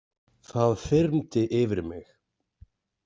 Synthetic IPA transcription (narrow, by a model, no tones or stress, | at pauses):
θaðfɪɾmt̪ɪʔɪvɪɾmɪx